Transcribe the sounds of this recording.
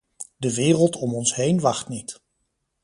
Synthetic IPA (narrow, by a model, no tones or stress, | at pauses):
dəʋɪːrəlˠtɔmɔnsɦejnʋɑχtnit